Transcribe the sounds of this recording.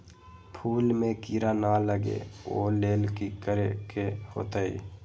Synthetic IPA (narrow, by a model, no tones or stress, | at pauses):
pʰuːlmẽkiɾanaləɡḛoleːlkikəɾekeho̰ːt̪aḭː